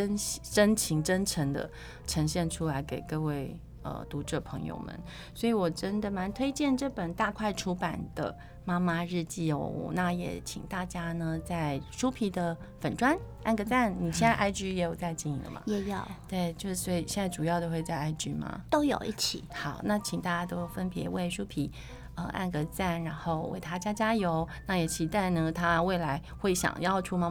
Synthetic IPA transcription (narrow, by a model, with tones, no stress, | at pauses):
ə˥nɕʈ͡ʂə˥nt͡ɕʰi˧˥ŋʈ͡ʂə˥nʈ͡ʂʰə˧˥ŋd̪ə̰˧ | ʈ͡ʂʰɤ˧˥ŋɕjɛ˥˩nʈ͡ʂʰu˥la˧˥ɪke˨˩ɪkɤ˥˧we˥˩ɪ | ə̰˧˩t̪u˧˥ʈ͡ʂɤ˥˩pʰɤ̰˧˥ŋjo̰˧ʊmə̰˨˦n | swɔ˧˥i˨˩wɔ˨˩ʈ͡ʂə˥nd̪ə˨ma˧˥nt̪ʰwe˥ɪt͡ɕjɛ˥˧nʈ͡ʂɤ˥˩pə˨˩nt̪a˥˧kʰwa˥˩ɪʈ͡ʂʰu˥pa˨˩nd̪̥ə̰˦ | ma˥ma˧ɻ̩˥˧t͡ɕi˥˩o̰˨˧˦na˥˩jɛ̰˨˩t͡ɕʰḭ˨˩ŋt̪a˥˩t͡ɕja˥nə˨t͡sa˥˩ɪʂu˥pʰi˧˥d̪ə˨ | fə˨˩nʈ͡ʂwa˥n | a˥˩nɡə˧t͡sa˥˩nni˨˩ɕjɛ˥˧nt͡sa˥˧ɪʔa˥˩ɪt͡ɕy˥jɛ˧˥jo˨˩ʊt͡sa˥˧ɪt͡ɕi˥˩ni˧˥ŋlə̰˨mɐ̰˩jɛ˨˩˥jo˨˩ʊt̪we˥˩ɪt͡ɕjo˥˧ʂ̩˥˩swo˥i˨˩ɕjɛ˥˧nt͡sa˥˩ʈ͡ʂu˨˩jɑ˥˩ʊd̪ə˧xwe˥˧ɪt͡sa˥˧ɪa˥˩ɪt͡ɕy˥mɐ̰˧˩t̪o˥ʊjo̰˨˩ʊi˥˩t͡ɕʰi˨˩˦xɑ˨˩˦ʊna˥˩t͡ɕʰi˨˩ŋt̪a˥˩t͡ɕja˥t̪o˥ʊjʊfə˥npjɛ̰˧˥we˥˩ɪʂu˥pʰi˨˩˦ | ə˧ʔa̰˥˩nɡə˧˩t͡sa˥˩nɻa˧˥nxo˥˧ʊwḛ˥˩ɪt̪ʰa˥t͡ɕja˥t͡ɕja˥jo˧˥ʊna˥˩jɛ˨˧˥t͡ɕʰi˨˧˩t̪a˥˩nə˧t̪ʰa˥we˥˩ɪla˧˥ɪxwe˥˩ɪɕjɑ̰˨˩ŋjɑ˥˧ʊʈ͡ʂʰu˥ma˥